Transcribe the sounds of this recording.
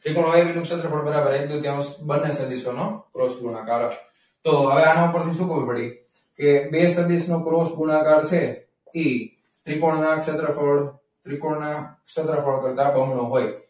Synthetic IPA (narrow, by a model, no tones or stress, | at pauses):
t̪ɾikoɽɦoeʋinũkʃət̪ɾəfʰəɽbəɾabəɾad̪ut̪jãbənːesəd̪isonokɾosbunakaɾ | t̪oɦəʋeanãũpəɾt̪ʰiʃũkəʋupəɽi | kebesəd̪isnokɾosbunakaɾt͡ʃʰe | i | t̪ɾikoɽnakʃət̪ɾəfəɽ | t̪ɾikoɽnakʃət̪ɾəfʰəɭkəɾt̪abʱəmnoɦoj